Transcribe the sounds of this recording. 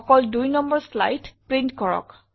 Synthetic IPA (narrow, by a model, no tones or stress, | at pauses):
ɔkɔldujnɔmbɔɹsla̰jtpɹintkɔɹɔ̰k